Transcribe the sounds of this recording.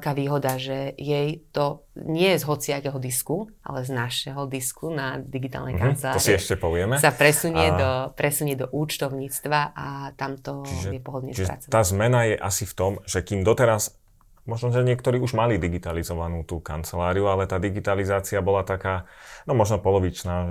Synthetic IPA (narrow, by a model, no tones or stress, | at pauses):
kaːʋiːɦɔd̪aʒɛjɛjt̪ɔɲɪɛzɦɔt͡siakɛːɦɔd̪iskuʔa̰lɛznaʃɛɦɔd̪iskunad̪iɡit̪a̰lnɛ̰kant͡sɛlaːɔɾsiiɛʃcɛpɔʋɪɛmɛsapɾɛsuɲɪɛd̪ɔpɾɛsuɲɛd̪ɔʔuːt͡ʃt̪ɔʊɲiːt͡st̪ʋaʔat̪amt̪ɔt͡ʃiʒɛjɛpɔɦɔd̪ɲɛ̰st͡ʃiʒɛɾa̰t͡sɔaaːzmɛnajɛʔasift̪ɔmʒɛkiːmd̪ɔt̪ɛɾas | mɔʒnɔʒɛɲɪɛkt̪ɔɾiːuʒmalid̪iɡit̪alizɔʋanuːt̪uːka̰nt͡sɛlaːɾiualɛt̪aːd̪iɡit̪alizaːt͡siabɔlat̪akaːnɔmɔʒnɔpɔlɔʋit͡ʃnaː